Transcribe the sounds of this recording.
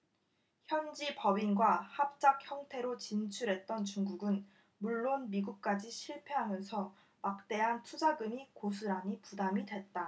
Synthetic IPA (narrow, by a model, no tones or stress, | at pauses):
çjʌnd͡ʑipʌbinɡwahap̚t͡ɕ͈ak̚çjʌŋtʰe̞ɾot͡ɕint͡ɕʰuɾɦe̞t̚t͈ʌnt͡ɕuŋɡuɡɯn | muɭːonmiɡuk̚k͈ad͡ʑiɕʰiɭpʰe̞ɦamjʌnsʰʌ | mak̚t͈e̞ɦantʰud͡ʑaɡɯmikos̬ʰuɾaɲipudamidwe̞t̚t͈a